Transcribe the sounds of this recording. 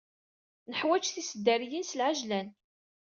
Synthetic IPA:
nəħwæt͡ʃθisəd̪ːæɾjinsəlʕaʒlæn

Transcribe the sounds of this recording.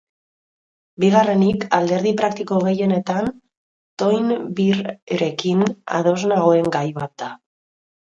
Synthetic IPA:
biɣare̞nikald̪e̞ɾð̞ipɾak̚t̪iko̞ɣ̞e̞je̞ne̞t̪an | t̪o̞jnβiɾeɾe̞kina̰ð̞o̞znaɣoe̞ŋɡajβat̪̚d̪a

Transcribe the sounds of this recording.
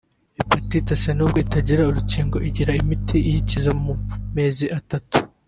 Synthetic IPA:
epatitasenuːb̚ɡo̞itaɟiɾauɾuciːŋɡo̞ʔiɟiɾaimitʰiʔijicizamume̞ːziʔatatu̥

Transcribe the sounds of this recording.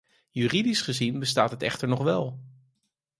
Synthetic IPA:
jyːridisχəzinbəstaːtɦətɛχtəɹnɔχʋɛlˠ

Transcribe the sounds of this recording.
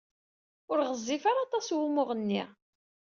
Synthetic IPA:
ʊɾʁəzˤːifaɾɑt̪ˤɑswumʊʁənːi

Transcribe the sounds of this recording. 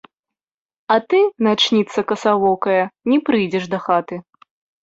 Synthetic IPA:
ɐt̪ɨnat͡ʂnʲit̪sɐkɐsavɔkɐjɐnʲɛpɾɨjd͡zʲɛʂd̪ɐxat̪ɨ

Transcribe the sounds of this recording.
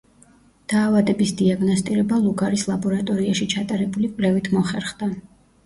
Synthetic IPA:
d̪̥aːvad̪ɛbisd̪iaɡnɔst̪ʼiɾɛbalˠuɡaɾislˠabɔɾat̪ʼɔɾiaʃit͡ʃʰat̪ʼaɾɛbulikʼlɛvit̪ʰmɔχɛɾχd̪a

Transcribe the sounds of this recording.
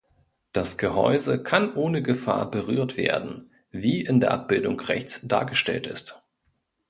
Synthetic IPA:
d̥asɡ̥əhɔ̰ʏzəkʰanʔoːnəɡəfa̰ːɐbəʁyːɐtv̥ḛːɐdn̩ | viːʔɪndeːɐʔap̚b̥ɪldʊŋʁɛçt͡sd̥a̰ːɐɡəʃtɛ̰ltɪst

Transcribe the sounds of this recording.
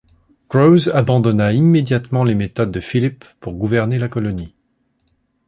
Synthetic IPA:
ɡ̥ʁozabɑ̃d̪ɔnaimːed̪jat̪mɑ̃lemet̪ɔd̪ːəfilipːuʁɡuvɛʁnelakɔlɔni

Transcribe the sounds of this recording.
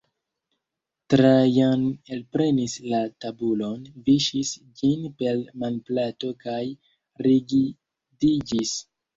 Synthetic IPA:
tɾajanelpɾe̞nislatabulo̞nviʃis | d͡ʒinpe̞lmanplato̞kaj | ɾiɡi | did͡ʒis

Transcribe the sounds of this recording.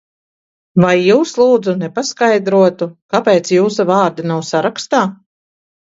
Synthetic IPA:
vajːuːslˠuːd̪zunɛpaskajd̪ɾuɔt̪ukapɛːt̪sjuːsavaːɾd̪anawsaɾakst̪aː

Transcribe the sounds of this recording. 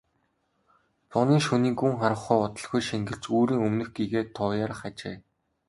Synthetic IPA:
t͡sʊniːŋʃuniːŋɡuŋχaɾə̆χʊjɔt̪ɞ̆ɮxujʃiŋɡɘ̆ɮt͡ɕuːɾiːŋɵmnɘ̆xɡiɣeːt̪ʰɔːjaɾə̆χat͡ɕeː

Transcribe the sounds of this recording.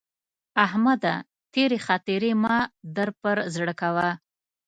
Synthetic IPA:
ahmad̪a̰ | t̪eɾexɑt̪ɪɾemɑd̪əɾpəɾzɽəkawa

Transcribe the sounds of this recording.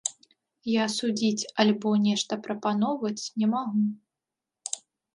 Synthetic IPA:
jasud͡zʲit͡sʲɐlʲbɔnʲɛʂt̪ɐpɾɐpan̪ɔwvɐt͡sʲnʲɛmaɣu

